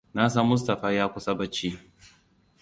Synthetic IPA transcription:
na˦s̬ɐ˦mːʊ˦s̬tɐ˨ɸaː˦jaː˦kʷʊ˦sa˦bɐ˦t͡ʃːiː˦

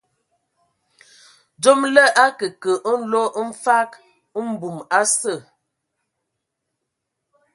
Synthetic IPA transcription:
d͡ʒo˦mlə˦ʔa˦kə˨kə˨ʔn̩˦lo˦n̩˦fa˦k | ə˦m̩˦bu˨ma˦sə˦˨

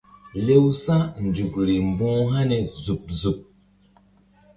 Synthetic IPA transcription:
le˦wsa˦n̩˨d͡ʒu˨k̚ɾi˨m̩˨bɔ̃ː˦ha˦nɛ˨zu˨p̚zu˨p̚

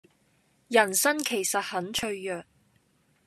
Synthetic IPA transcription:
jɐ˨˩nsɐ˥nkʰe˨˩jsɐ˨t̚hɐ˨˥nt͡ʃʰɵ˧ɥːœː˨k̚

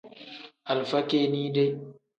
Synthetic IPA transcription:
ʔa˨lɸɐ˦kʲeː˨niː˦de˦

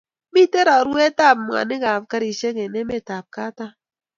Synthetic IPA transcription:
mi˦te˦ɾa˨ɾwɛ˦ta˦˨p̚m˨a̰˨nɛ˦ɡa˨pka˦ɾi˨ʃe˦ŋɛ˨nɛ˦mɛ˦˨ta˨p̚ka˦ta˦

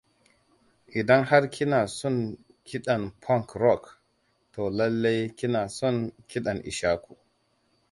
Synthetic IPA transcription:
ʔɪ˨dɐ˦ŋha˦ɾkʲʰi˦naː˨sɔ˦˨n | kʰʲi˦ɗa˨npʰɔ˦˨ŋkɾɔ˦˨k | to˨lɐ˦lːa˦jkʲi˦naː˨sɔ˦ŋkʲi˦ɗa˨nʔḭ˨ʃaː˦ku̥˨

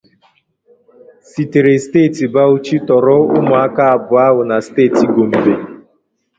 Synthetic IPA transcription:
si˨te˨ɾe˨steː˦˨ti˨ba˦u˦t͡ʃi˦tɔ˨ɾɔ˦ʊ̰˦mʊ˨a˦ka˦a˨bʊ˨a˦ɦʊ˨na˨steː˦˨ti˨ɡo˨m̩˨be˨

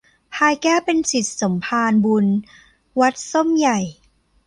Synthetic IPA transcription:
pʰaː˧jkɛː˥˩wpe˧nsi˨˩t̪̚so˩˦mpʰaː˧nbu˧n | wa˦˥t̪̚so˥˩mja˨˩j

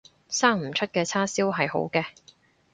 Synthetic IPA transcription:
saː˥ŋm̩˨˩t͡ʃʰɵ˥t̚kɛː˧t͡sʰaː˥siː˥wɦɐ˨jho̰˨˥wkɛː˧

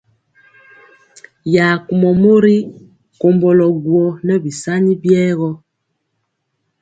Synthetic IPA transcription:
ja˨ku˨mɔ˨mo˦ɾi˦ | ko˨mbɔ˨lɔ˨ɡwɔ˨nɛ˦bi˨sa˦ni˦bjɛː˦ɣɔ˦

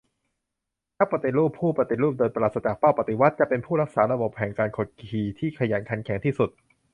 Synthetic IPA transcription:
nʰa˦˥pɾa˧˩t̪i˨˩ɾuː˥˩pʰːuː˥˩pɾa˧t̪i˨˩ɾuː˥˩p̚d̪ɤː˧npa˧laː˨˩sa˧t͡ɕaː˨˩k̚paː˥˩wpa˨˩t̪i˨˩wa˦˥t̪̚t͡ɕa˨˩ʔpe˧npʰuː˥˩ɾa˦˥k̚saː˩˦ɾa˧bo˨˩p̚ʰhɛː˩˦ŋkaː˧nkʰoː˨˩t̪̚kʰiː˨˧t̪ʰiː˥˩kʰa˧jaː˩˦nkʰa˨˩˦nkʰɛ˨˩˦ŋt̪ʰiː˥˩su˨˩t̪̚

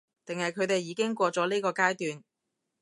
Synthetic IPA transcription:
t̪ɪ˨ŋhɐ˨jkʰɵ˨˧ɥt̪e˨jːiː˨˥kɪ˥ŋkʷɔː˧t͡sɔː˨˥liː˥kɔː˧kaː˥jt̪yː˨n

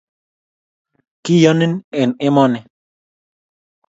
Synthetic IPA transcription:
kɪ˦jɔ˦nɪ˦ne˨nɪ˦mɔ˦nɛ˨

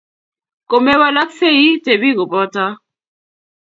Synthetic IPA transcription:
ko˨mɛ˦wa˦la˦k̚fe˦ji˦te˨bi˦˨ɣo˨pɔ˦ta˦

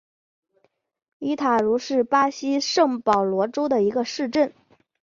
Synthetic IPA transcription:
i˧˥t̪ʰa˨˩ɻu˧˥ʂɻ̩˥˩pa˥ɕi˥ʂɤ˥˩ŋpɑ˨˩ʊlwɔ˧˥ʈ͡ʂo˥ʊd̪ə˨i˧˥ɡə˧ʂɻ̩˥˧ʈ͡ʂə˥˩n

